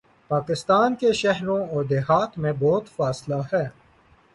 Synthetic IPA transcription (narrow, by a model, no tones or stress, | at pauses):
paːkɪst̪aːnkeʃɐɦɾõɔːɾd̪eɦaːt̪mẽbɔːt̪faːslahɛː